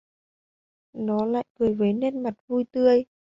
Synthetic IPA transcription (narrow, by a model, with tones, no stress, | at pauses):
nɔ˨˦la̰ː˧˨jkɨ˨˩əjve˨˦ne˧nma˨˩t̚vu˧jt̪ɨ˧əj